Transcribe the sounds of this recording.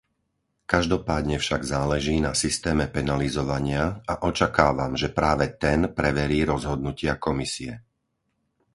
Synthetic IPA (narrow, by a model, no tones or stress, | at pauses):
kaʒd̪ɔpaːd̪ɲɛfʃaɡzaːlɛʒiːnasist̪ɛːmɛpɛnalizɔʋaɲɪaaʔɔt͡ʃakaːʋamʒɛpɾaːʋɛt̪ɛnpɾɛʋɛɾiːɾɔzɦɔd̪̚nucɪakɔmisiɛ